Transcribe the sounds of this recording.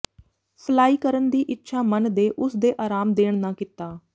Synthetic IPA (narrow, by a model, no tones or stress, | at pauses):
pʰəlaːiːkəɾənd̪iːʔɪtːʃʰaːmənd̪eːʔʊsd̪eːʔaːɾaːmd̪eːɳ̃nãːkɪt̪ːaː